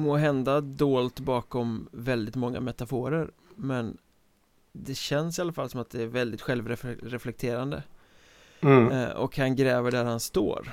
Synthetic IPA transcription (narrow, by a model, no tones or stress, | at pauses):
moːɦɛnd̪ad̪oːlt̪bɑːkɔmvɛld̪ɪt̪mɔŋːa̰mɛt̪afoːɾəɾ | mɛn | d̪ɛɕɛnsɪalːafalːsɔmat̪̚d̪ɛæɾvɛld̪ɪt̪ɧɛlvɾɛɾɛflɛk̚t̪ʰeːɾand̪ə̰ | ɔ̰khanɡɾɛːvəɖæɾhanst̪o̰ːɾ